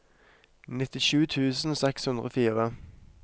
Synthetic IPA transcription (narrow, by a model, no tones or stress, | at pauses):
nɪt̪ɪʃʉːt̪ʰʉːsn̩ːsɛkshʉnd̪ʁo̰ːfiːʁə